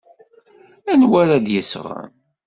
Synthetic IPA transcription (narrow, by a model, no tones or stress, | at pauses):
ænwæɾæd̪jəsʁə̰n